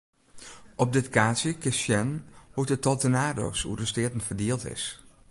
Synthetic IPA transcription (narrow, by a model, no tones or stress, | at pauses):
ʔɔp̚dɪtkaːsjəkɪsjɛnhutətɔtənaːdo̰ːsṵrəstɪətən̩fərdiːəlˠtɪ̰s